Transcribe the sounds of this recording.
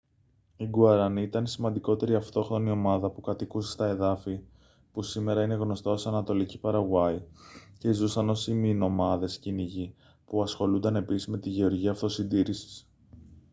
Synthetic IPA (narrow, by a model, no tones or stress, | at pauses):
iɡuɐɾɐniit̪ɐnsimɐnd̪iko̞t̪e̞ɾiɐft̪o̞xɾo̞nio̞mɐðɐpukɐt̪ikusst̪ɐe̞ðɐfi | pusime̞ɾɐine̞ɣno̞st̪ɐo̞sɐnɐt̪o̞licipɐɾɐɣwɐice̞zusɐno̞simino̞mɐðe̞sciniʝi | puɐsxo̞lund̪ɐne̞pisizme̞t̪iʝe̞o̞ɾʝiɐːft̪o̞sind̪iɾisi̥s